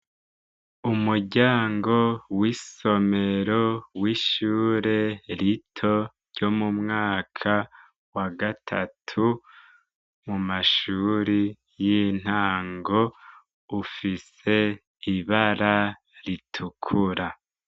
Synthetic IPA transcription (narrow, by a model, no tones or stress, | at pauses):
umuɾɟaːŋɡo̞wiso̞me̞ɾo̞wiʃuːɾe̞ɾitʰo̞ɾɟ̥o̞mumŋaːkʰa | waɡatʰa̰tʰu | mumaʃuːɾi | jin̥haːŋɡo̞ | ufis | e̞ | iβaɾa | ɾitʰukʰuɾa